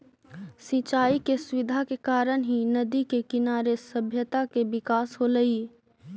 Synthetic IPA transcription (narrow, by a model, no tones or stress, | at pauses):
sĩːt͡ʃaːikesʊʋɪd̪ʱakekaːɾənɦinɐd̪ikekɪnaːɾesəbʱjət̪akeʋɪkaːsɦoləiː